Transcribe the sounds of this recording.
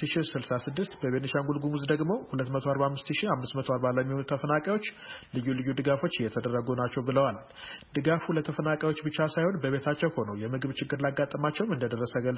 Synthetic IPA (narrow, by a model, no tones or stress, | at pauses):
ɨʃisɨlsasɨd̪ːɨst̪bəβenɨʃaŋɡulɡumuzd̪əɡmo̞hulət̪ːmət̪ʰoaɾbahamːɨst̪ɨʃiamːɨst̪mət̪ʰoaɾbaləmːihonut̪ʰəfənakʼawo̞t͡ʃːlɨjːulɨjːud̪ɨɡafo̞t͡ʃːjɛt̪ʰəd̪əɾːəɡunat͡ʃːɛwbɨləwal | d̪ɨɡafulət̪ʰəfənakʼjawo̞t͡ʃːbɨt͡ʃːasajho̞nbəβe̞t̪ʰat͡ʃːɛwho̞nəwjɛmɨɡɨβt͡ʃɪɡːɨɾlaɡːat̪ʼːəmat͡ʃːɛwmɨnd̪əd̪ərːəsəɡəl